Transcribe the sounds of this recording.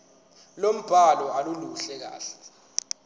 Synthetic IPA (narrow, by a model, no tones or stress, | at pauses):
lom̩b̥ʱalɔaluluɬɛk̬a̰ːɬɛ̥